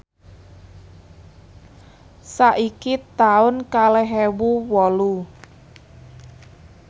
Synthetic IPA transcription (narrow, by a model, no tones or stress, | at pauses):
saʔikit̪aʊnkalɛɦewuwɔlu